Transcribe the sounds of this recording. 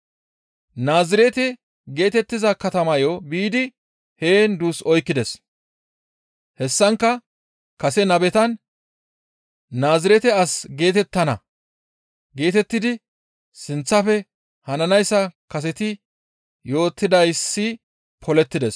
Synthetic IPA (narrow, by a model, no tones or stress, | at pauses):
naːzɪɾɛt̪ɛ | ɡe̞ːt̪ɛt̪ːɪzɐkɐt̪ɐmɐjobiːd̪ɪ | he̞ːnd̪uːsɔjkːɪd̪ɛs | hɛsːɐŋkːɐ | kɐsɛnɐbɛt̪ɐn | naːzɪɾɛt̪ɛɐsɡe̞ːt̪ɛt̪ːɐnɐ̰ | ɡe̞ːt̪ɛt̪ːɪd̪ɪ | sɪnt͡sːɐfɛ | hɐnɐnɐjsːɐkɐs̬ɛt̪ɪ | jo̞ːt̪ːɪd̪ɐjsːɪ | pʰɔlɛt̪ːɪd̪ɛs